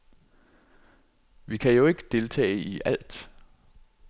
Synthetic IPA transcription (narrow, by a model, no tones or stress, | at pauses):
ʋikʰæjo̝e̝ɡ̥əd̥e̝lt͡sʰɛ̰ːɪiʔæl̰d̥